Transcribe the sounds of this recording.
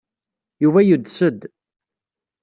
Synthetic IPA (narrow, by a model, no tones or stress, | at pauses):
juvæjud̪səd̪